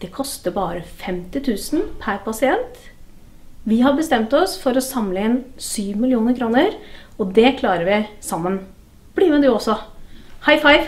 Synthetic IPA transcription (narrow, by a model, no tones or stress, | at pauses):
d̪̥ɛkʰɔst̪əɾbɑːɾəfɛmt̪ɪt̪ʰʉːsn̩pʰæɾpʰɑsɪɛnt̪ | ʋɪɦɑbəst̪ɛmt̪ɔsfɔɾɔsɑmləɪnsyːʋmɪlɪuːnəɾkʰɾuːnəɾɔd̪ɛkʰlɑːɾəɾʋɪsɑmːən | b̥limɛd̪ʉɔsːɔhɑɪfɑɪʋ